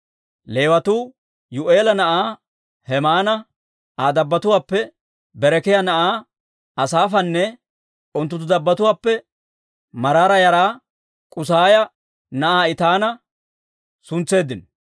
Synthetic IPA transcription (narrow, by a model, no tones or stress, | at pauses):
le̞ːwɐt̪uː | jʊʔe̞ːlɐnɐʔaː | hɛmaːnɐ | aːd̪ɐbːɐt̪ʊwaːpːɛ | bɛɾɛkɪjɐnɐʔaː | ɐsaːfɐnːɛ | ʊnt̪ːʊt̪̬ːʊd̪ɐbːɐt̪ʊwaːpːɛ | mɐɾaːɾɐjɐɾaː | kʼʊs̬aːjɐ | nɐʔaːɪt̪aːnɐ | sʊnt͡sːe̞ːd̪ɪn